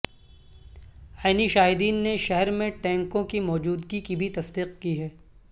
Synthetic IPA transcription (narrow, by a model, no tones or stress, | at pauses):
aːniʃaːɦɪd̪iːnːeʃɛɦɛɾmẽʈɛ̃ːŋkõkimɔːd͡ʒuːd̪ɡikibʱit̪ɐsd̪iːqkiɦɛː